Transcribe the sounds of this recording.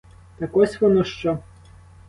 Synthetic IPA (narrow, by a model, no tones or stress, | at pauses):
t̪ɐkɔsʲʋɔnɔʃt͡ʃɔ